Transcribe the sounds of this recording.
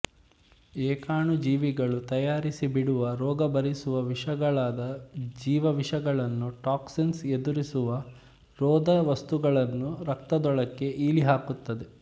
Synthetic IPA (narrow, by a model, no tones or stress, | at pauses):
eːkaːɳud͡ʒiːʋiɡɐɭut̪ɐjaːɾisibiɽuʋɐɾɔːɡɐbɐɾisuʋɐʋiʂɐɡɐɭaːd̪ɐd͡ʒiːʋɐʋiʂɐɡɐɭɐnːuʈaːksinsed̪uɾisuʋɐ | ɾɔːd̪ɐʋɐst̪uɡɐɭɐnːuɾɐk̚t̪ɐd̪ɔɭɐkːe̞iːliɦaːkut̪ːɐd̪e̞